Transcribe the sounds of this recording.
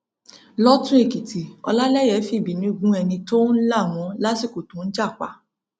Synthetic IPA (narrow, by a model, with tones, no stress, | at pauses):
lɔ˦tũ˦e˦˨ki˨ti˨ɔ̰˧la˦lɛ˦jɛ˨˦fi˨bi˨˦nĩ˦u˨ɡũ˦ɛ˧nĩ˧to˦n̩˦la˦˨mɔ̃˨˦la˦si˦˨ko˨tũ˨˦n̩˦d͡ʒa˦˨k͡pa̰˨˦